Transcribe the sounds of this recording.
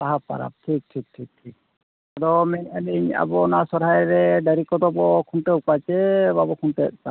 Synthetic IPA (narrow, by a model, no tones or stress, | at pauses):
t̪aɦapa̰ɾa̰b̚ʈʰik̚ʈʰik̚ʈʰik̚ʈʰik̚ | adɔmɛnamɛɲa̰bɔnasɔɾɦajɾɾɛɖaɾikɔd̪ɔbɔkʰunʈɛupat͡ʃɛbabɔkʰunʈɛt̪̚t̪a